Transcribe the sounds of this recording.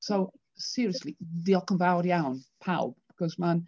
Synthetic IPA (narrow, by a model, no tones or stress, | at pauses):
sow | sɪɾəsliðiɔkənvawɾjawnpʰawb̥akʰɔsman